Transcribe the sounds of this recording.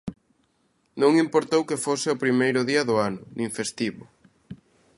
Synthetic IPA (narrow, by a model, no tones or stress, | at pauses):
nõŋimpoɾt̪owkɪfosɪopɾimejɾʊðiɐðʊanʊnĩŋfest̪iβʊ